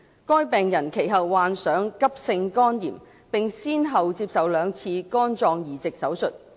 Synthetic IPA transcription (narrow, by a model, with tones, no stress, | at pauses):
kɔː˥jpɛː˨ŋjɐ˨˩nkʰe˨˩jɦɐ˨wːaː˨nsœː˨˥ŋkɐ˥p̚sɪ˧ŋkɔː˥njḭː˨˩m | pɪ˨ŋsiː˥nɦɐ˨wt͡siː˧p̚sɐ˨wlœː˨˧ŋt͡sʰiː˧kɔː˥nt͡sɔː˧ŋjiː˨˩t͡sɪ˨k̚sɐ˨˥wsɵ˨t̚